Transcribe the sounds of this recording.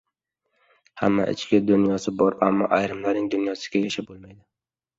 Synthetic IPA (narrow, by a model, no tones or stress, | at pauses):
hamːa̰ʔɪ̰t͡ʃkʲɪd̪ʊnjɒsɪbɒɾamːɒʔajɾɪmlaɾnɪŋd̪ʊnjɒsɪ̥ɡʲajaʃabolˠmajd̪ɪ